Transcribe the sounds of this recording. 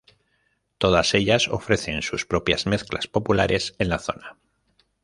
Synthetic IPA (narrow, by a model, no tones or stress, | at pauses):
t̪o̞ð̞ase̞ʎaso̞̰fɾe̞θe̞nsuspɾo̞pjazme̞θklaspo̞pulaɾʔe̞sẽ̞nlaθo̞̰na